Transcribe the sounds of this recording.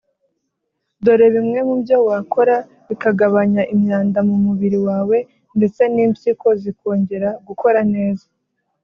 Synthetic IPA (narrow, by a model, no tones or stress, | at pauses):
do̞ɾe̞βimŋe̞mubjo̞waːko̞ɾa | βikaɡaβaɲaʔimɲaːndamumuβiɾiwaːwe̞ | nde̞t͡se̞niːmsiko̞ziko̞ːɲɟe̞ɾaɡuko̞ɾane̞ːzḁ